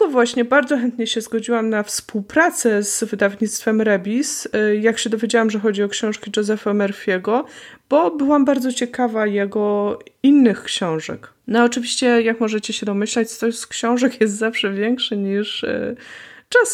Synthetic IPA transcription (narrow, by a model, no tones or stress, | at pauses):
ɡɔvwaɕɲɛbaɾd̪zɔxɛnt̪ɲɛɕɛzɡɔd͡ʑiwamnafspuwpɾat̪sɛzvɘd̪avɲit̪st̪fɛmɾɛbʲisjakɕɛd̪ɔvʲjed͡ʑawamʐɛxɔd͡ʑiɔkɕɔ̃w̃ʂkʲid͡ʐɛzɛfamɛɾfʲjɛɡɔb̥ɔbɘwambaɾd̪zɔt͡ɕɛkavajɛɡɔinːɘxkɕɔ̃w̃ʐɛ̰k | nɔaɔt͡ʂɘvʲiɕt͡ɕɛjakmɔʐɛt͡ɕɛɕɛd̪ɔmɘɕlɛt͡ɕt̪ɔskɕɔ̃w̃ʐɛkjɛst̪zafʂɛvʲjɛŋkʂɘɲiʂt͡ʂas